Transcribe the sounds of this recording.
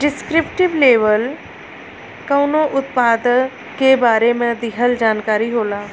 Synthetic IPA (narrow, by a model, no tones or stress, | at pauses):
ɖɪskɾɪpʈɪʋleːʋəl | kəːnoʔʊt̪paːd̪ə | kebaːɾemẽd̪ɪɦəld͡ʒaːnkaːɾiɦoːlaː